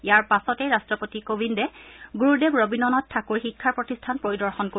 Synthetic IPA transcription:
ijaɹpasɔtɛɹastɹɔpotikobʱindɛɡuɹudebɹobinɔnɔtʰːakuɹxikʰːaɹpɹotistʰanpɹoɹidɔɹxɔnko

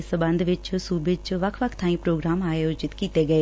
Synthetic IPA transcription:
səbə̃nd̪ʋɪt͡ʃsuːbɪt͡ʃʋəkʰʋəkʰt̪ʰãːĩːpɾoːɡɾaːmaːjoːd͡ʒɪt̪kiːt̪eːɡəeː

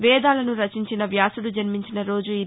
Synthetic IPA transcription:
ʋɛːd̪aːlɐnuɾɐt͡ʃiɲt͡ʃinɐʋjaːsuɽud͡ʒɐnmiɲt͡ʃinɐɾo̞ːd͡ʒui

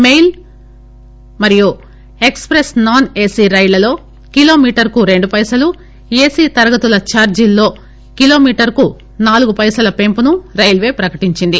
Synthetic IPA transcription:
mejl | mɐɾiju | e̞kspɾesnaːne̞ːsiːɾɐjlɐlo̞ː | kilo̞ːmiːʈɐɾkuɾe̞ɳɖupɐjsɐlu | eːsiːt̪ɐɾɐɡɐt̪ulɐt͡ʃaːɾd͡ʒilːo̞ː | kilo̞ːmiːʈɐɾku | naːluɡupɐjsɐlɐpe̞mpunuɾɐjlʋe̞ːpɾɐkɐʈiɲt͡ʃind̪i

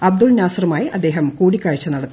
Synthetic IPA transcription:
ɐb̚d̪ulnaːsrɐmaːjiʔɐd̪ːe̞ːɦɐmkuːɽikʲːaːɻit͡ɕːɐnɐɽɐt̪ː

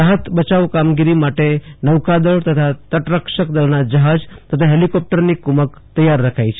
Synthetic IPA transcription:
ɾaɦət̪bət͡ʃaʋkamɡiɾimaʈenəʋkad̪əɭt̪ət̪ʰat̪əʈɾəkʃəkd̪əlnad͡ʒəɦad͡ʒt̪ət̪ʰaɦelikɔp̚ʈəɾnikumək | t̪əjaɾːəkʰajt͡ʃʰe

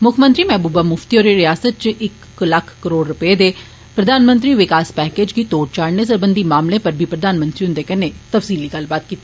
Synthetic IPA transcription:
mʊkʰmə̃nt̪ɾiːmɛːbuːbaːmʊft̪ioːɾeɾɪjaːsət̪̚t͡ʃɪk | ləkʰkəɾoːɽɾʊpəeːd̪eː | pɾəd̪aːnmə̃nt̪ɾiːʋɪkaːspɛːkeːd͡ʒɡiːt̪oːʈ̚t͡ʃaːɽneːs̬əɾbənd̪iːmaːmlẽːpəɾbʱiːpɾəd̪aːnmə̃nt̪ɾiʊnd̪eːkəneːt̪əfsiːliːɡəlbaːt̪̚kiːt̪ːi

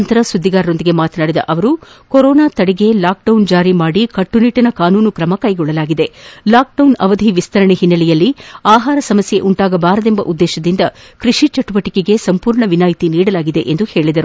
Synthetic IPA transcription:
ɐnt̪ɐɾɐsud̪ːiɡaːɾɐɾo̞nd̪iɡe̞maːt̪ɐnaːɽid̪ɐ̰ʔɐʋɐɾukɔɾɔːnaːt̪ɐɽɛɡe̞laːk̚ɖɐwnd͡ʒaːɾimaːɽikɐʈːuniːʈɐnɐkaːnuːnukɾɐmɐkɐjɡɔɭːɐlaːɡid̪e̞laːk̚ɖɐwnɐʋɐd̪ʱiʋist̪ʰɐɾɐɳɛɦinːɐlɛjɐlːiaːɦaːɾɐsɐmɐsje̞ʔuɳʈaːɡɐbaːɾɐd̪e̞mbɐ̰ʔud̪ːɛːʃɐd̪ind̪ɐ | kɾiʂit͡ʃɐʈuʋɐʈikeɡe̞sɐmpuːɾɳɐʋinaːjt̪iniːɽɐlaːɡid̪e̞ʔend̪uhe̞ːɭid̪ɐɾu

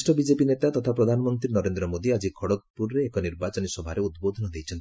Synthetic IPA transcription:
ʈɔbid͡ʒepinet̪at̪ɔt̪ʰapɾɔd̪ʱanɔmɔnt̪ɾinɔɾend̪ɾɔmod̪iad͡ʒikʰɔɽɔk̪̚puɾːeːkɔniɾbat͡ʃɔnisɔbʱaɾeud̪̚bod̪ʱɔnɔd̪ejt͡ʃʰɔnt̪i

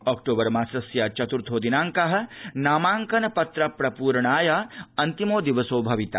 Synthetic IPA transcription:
ɔːkʈoːbɐɾmaːsɐsjat͡ʃɐt̪uɾt̪ʰoːd̪inaːŋkɐɦɐ̆naːmaːŋkɐnɐpɐt̪ɾɐpɾɐpuːɾɳaːjaɐnt̪imoːd̪iʋɐsoːbʱɐʋit̪a̰

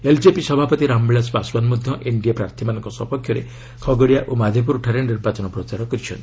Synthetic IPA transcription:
eld͡ʒepisɔbʱapɔt̪iɾambeɭaspaswanmɔd̪ʱjɔʔeɳɖijapɾaɾt̪ʰimanɔŋkɔsɔpɔkʰːjɔɾe | kʰɔɡɔɽijaʔomad̪ʱip̬uɾʈʰaɾeniɾbat͡ʃɔnɔpɾɔt͡ʃaɾɔkɔɾit͡ʃʰɔ̰nt̪i

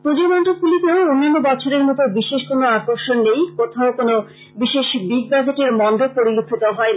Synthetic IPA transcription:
pud͡ʑomɔnʈopulit̪eounːanːobɔt͡ɕʰoɾeɾmɔt̪obiʃeʃkonoakoɾʃonːejkot̪ʰaokono | biʃeʃbiɡ̚baɡeʈeɾmɔnd̪ʱopoɾiluk̪ʰːit̪oɦɔen

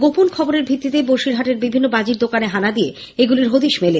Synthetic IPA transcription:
ɡoponkʰɔboɾeɾbʱit̪ːit̪eboʃiɾɦaʈeɾbibʱinːobad͡ʑiɾd̪okaneɦanad̪ije | eɡuliɾɦod̪iʃmele

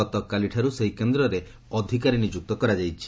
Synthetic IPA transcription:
ɔt̪ɔkaliʈʰaɾuseɦikend̪ɾɔɾe | ɔd̪ʱikaɾinid͡ʒuk̚t̪ɔkɔɾad͡ʒajt͡ʃʰi̥

